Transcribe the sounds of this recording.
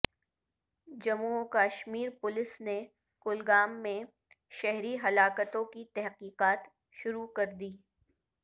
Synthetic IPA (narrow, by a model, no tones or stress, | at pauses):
d͡ʒɐmuokaːʃmiːɾpʊlɪsne | kʊlɡaːmːẽ | ʃɛɦɾiɦɐlaːkət̪õkit̪ɛɦqiːqaːt̪ | ʃʊɾukɐɾd̪iː